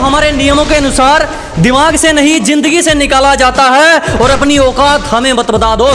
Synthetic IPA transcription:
ɦɐmaːɾenijəmõkeɐnʊsaːɾ | d̪ɪmaːɡsenɐɦĩd͡ʒɪ̃nd̪əɡisenɪkaːlad͡ʒaːt̪aɦɛɔːɾɐpniɔːqaːt̪hɐmẽbɐt̪bəd̪aːd̪oː

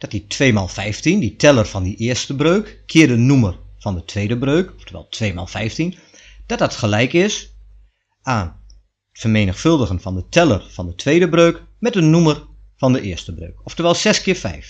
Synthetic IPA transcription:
d̥ɔt̚ditʰʋeːmaːlˠfɛjftinditʰɛlˠərfɔndiʔɪːəstəbrøːkːʰɪːədənumərfɔndətʰʋeːdəbrøːkɔftʰəʋɛ̰lˠtʰʋeːma̰ːlˠfɛjftin | d̥ɔt̚dɔtxəlɛjkɪs | ʔaːn | ətfərmeːnəxfɵlˠdəɣənfɔndətʰɛlˠərfɔndətʰʋeːjdəbrøːkmɛt̚dənumər | fɔndəʔɪərstəbrø̰ːkɔftəʋɛlˠsɛskɪːɹfɛ̰jf

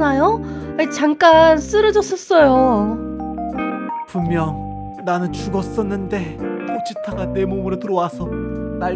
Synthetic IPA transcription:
najoait͡ɕaŋk͈ans͈ɯɾʌd͡ʑʌs͈ʌs͈ʌjo | pummjʌŋ | nanɯnt͡ɕuɡʌs͈ʌnːɯnde̞tot͡ɕitʰaɡane̞momɯɾotɯɾʌwasʰʌna

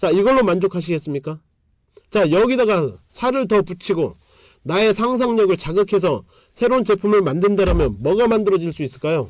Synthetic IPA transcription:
t͡ɕaiɡʌɭːomand͡ʑokʰaɕ̬ʰiɡe̞s͈ɯmɲik͈a | t͡ɕajʌɡidaɡasʰaɾɯɭtʌput͡ɕʰiɡo | nae̞sʰaŋs̬ʰaŋɲʌɡɯɭt͡ɕaɡɯkʰe̞s̬ʰʌ | sʰe̞ɾont͡ɕe̞pʰumɯɭmandɯndaɾamjʌnmʌɡamandɯɾʌd͡ʑiɭs͈uis͈ɯɭk͈ajo

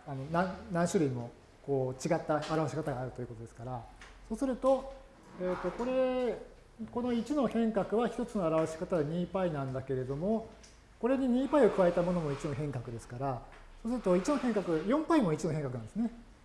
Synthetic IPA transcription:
ano̞nãnãɰ̃ɕɨɾɯ̟imo̞ | ko̞ːt͡ɕiɡat̪ːaːɾaβaɕi̥kat̪aɡaːɾɯ̟t̪oiɯ̟ko̞t̪oesɨ̥kaɾaso̞ːsɨɾɯ̟t̪o̞ | eːt̪ːo̞ko̞ɾe̞ | ko̞no̞it͡ɕino̞hẽ̞ŋkakɯ̟βaçʲi̥t̪o̞t͡sɨno̞aɾaβaɕi̥kat̪adaɲ̟iːpainãnd̪ake̞ɾe̞d̪o̞mo̞ | ko̞ɾe̞ɲ̟iɲ̟iːpaio̞kɯ̟βae̞t̪amo̞no̞mo̞it͡ɕino̞ɦẽ̞ŋkakɯ̟d̪e̞sɨ̥kaɾa | so̞ːs̬ɨɾɯt̪o̞it͡ɕino̞hẽ̞ŋkakɯ̟jõ̞mpaimo̞it͡ɕino̞ɦẽ̞ŋkakɯ̟nãd̪esɨne

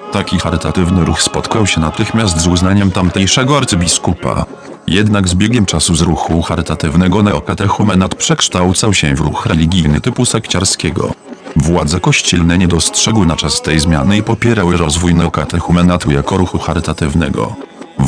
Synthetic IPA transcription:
t̪akʲixaɾɘt̪at̪ɘvnɘɾuxspɔt̪kawɕɛnat̪ɘxmʲjast̪zuznaɲɛmt̪amt̪ɛjʂɛɡɔaɾt̪sɨbʲiskupa̰ | jɛd̪naɡzbʲjɛɡʲjɛmt͡ʂasuzɾuxuxaɾɘt̪at̪ɘvnɛɡɔnɛɔkat̪ɛxumɛnat̪pʂɛkʂt̪awt̪sawɕɛvɾuxɾɛlʲiɡʲijnɘt̪ɘpusɛkt͡ɕaɾskʲɛɡɔ̰vwad̪zɛkɔɕt͡ɕɛlnɛɲɛd̪ɔstʂɛɡwɘnat͡ʂast̪ɛjzmʲja̰nɘipɔpʲjɛɾawɘɾɔzvujnɛɔkat̪ɛxumɛnat̪ujakɔɾuxuxaɾɘt̪at̪ɘvnɛ̰ɡɔ̰

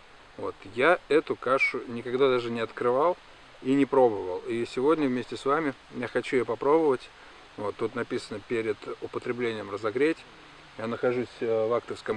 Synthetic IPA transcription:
vo̞̰t̪jaɛt̪ʊkaʂʊnʲɪkɐɡd̪ad̪aʐɨnʲɪɐt̪kɾɨvalˠ | inʲɪpɾo̞bəvəlˠisʲɪvo̞dʲnʲəvmʲesʲtʲɪsvamʲɪ | jaxɐt͡ɕujopɐpɾo̞bəvətʲ | vot̪ːut̪nɐpʲisənəpʲeɾʲɪd̪̥ʊpət̪ɾʲɪblʲenʲɪjəmrəzɐɡɾʲetʲ | janəxɐʐusʲvakt̪əfskəm

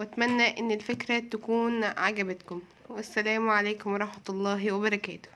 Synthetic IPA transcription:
wæt̪mænːæʔɪnːelfekɾæt̪ækuːnʕaɡæbæt̪kʊm | wæsːælæːmʕalæːkomwɑɾˤɑħmɑt̪lˤːɑːɦwebɑɾˤɑkæ̰ːt̪o̥

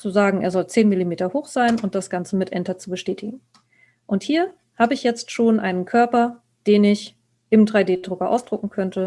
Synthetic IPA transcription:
t͡suzaːɡŋ̩ʔeːɐzɔlt͡seːnmɪlimeːtɐhoːxz̥aɪnʊnt̚d̥asɡ̥ant͡səmɪtʔɛntɐt͡subəʃtɛːtʰɪɡŋ̩ | ʔʊnthiːɐ | haːbəɪçjɛt͡stʃoːnʔa̰ɪnənkʰœɐpɐ | d̥eːnɪç | ʔɪmdʁaɪdeːdʁʊkɐʔa̰ʊsd̥ʁʊkŋ̩kʰœntʰə

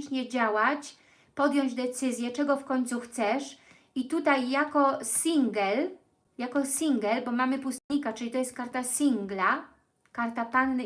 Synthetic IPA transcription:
ʃɲɛd͡ʑawat͡ɕ | pɔd̪jɔɲd͡ʑd̪ɛt̪sɘzʲjɛt͡ʂɛɡɔfkɔɲʲt̪suxt̪sɛʂ | it̪ut̪ajːakɔsʲiŋɡɛl | jakɔsʲiŋɡɛlbɔmamɘpust̪ɲikat͡ʂɘlʲit̪ɔjɛst̪̚kaɾt̪asʲiŋɡla | kaɾt̪apanː

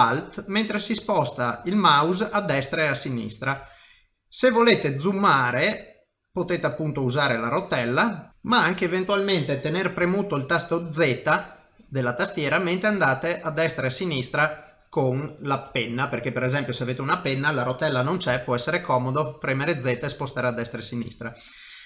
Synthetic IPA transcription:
alt̪ment̪ɾesispɔst̪ailmawzad̪ːɛst̪ɾaeasːinḭst̪ɾa | sevoleːt̪ed̪zumːaːɾe | pot̪eːt̪eapːunt̪ouzaːɾelaɾot̪ɛlːamaaŋkeːvent̪ualment̪et̪enerpɾemut̪oilt̪ast̪od̪zːɛːt̪a | d̪elːat̪ast̪jɛːɾament̪ɾeand̪aːt̪eʔad̪ːɛst̪ɾeasːinist̪ɾa | konlapɛnːaperkepːeɾezɛmpjoseaveːt̪eunapɛnːalaɾot̪ːɛlːanont͡ʃɛpwɔɛsːeɾekɔːmod̪opɾɛmeɾed̪zːɛt̪aespost̪aːɾead̪ːɛst̪ɾesinḭst̪ɾa

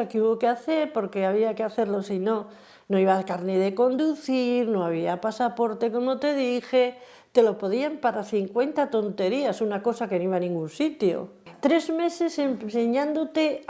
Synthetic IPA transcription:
akeuβo̞keaθe̞ɾpo̞ɾke̞aβ̞iakeaθe̞ɾlo̞sino̞ | no̞iβakaɾneðe̞ko̞nd̪uθiɾno̞aβ̞iapasapo̞ɾt̪e̞ko̞mo̞t̪e̞ðixe̞ | t̪e̞lo̞po̞ðiampaɾaθiŋkwe̞nt̪at̪o̞nt̪e̞ɾiasunako̞sake̞no̞iβanĩŋɡunsit̪jo̞̰ | t̪ɾe̞zme̞se̞semse̞ɲãnd̪o̞t̪e̞

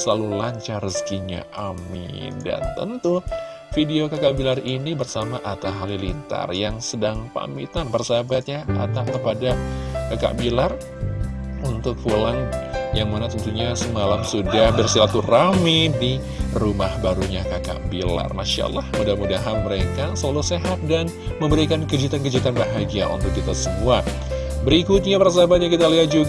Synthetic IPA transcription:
səlalulaɲt͡ʃaɾəskiɲa̰ʔamḭda̰nt̪ə̰nt̪u | fideokakaʔbilarinibərsamaʔat̪aɦalilint̪a̰rjaŋsədaŋpa̰mit̪anbərsabat̪̚ɲaat̪aʔkəpadakaka̰ʔbilar | unt̪ʊk̚pulaŋjaŋmanat̪ɔnt̪uɲasəmalamsudahbərsilat̪uramidi | rumahbaɾuɲakaka̰ʔbila̰rmanʃia̰lahmudahmudaɦanməɾekasəlaluseɦat̪̚dan | məmbəɾikankəd͡ʒit̪ankəd͡ʒit̪anbaɦaɡiaʔṵnt̪ʊk̚ːit̪asəmua | bəɾikut̪̚ɲapərs̬aabat̪̚ɲakit̪aliɦat̪̚d͡ʒuɡ

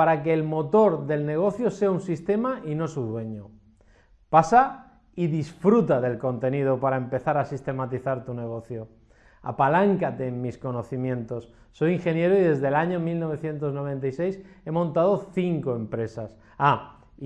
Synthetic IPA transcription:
paɾakeːlmo̞t̪o̞ɾðe̞lne̞ɣ̞o̞θjose̞aunsist̪e̞maʔino̞suðwe̞ɲo | pasa | iðisfɾut̪aðe̞lko̞nt̪e̞niðopaɾaempe̞θaɾasist̪e̞mat̪iθaɾt̪une̞ɣ̞o̞θjo | a̰palaŋkat̪e̞ːmmisko̞no̞θimjẽ̞nt̪o̞sːo̞jiŋxe̞nje̞ɾoiðe̞zðe̞laɲomilno̞βe̞θje̞nt̪o̞zno̞β̞e̞nt̪aise̞jse̞mõ̞nt̪að̞o̞θiŋko̞e̞mpɾe̞sas | a

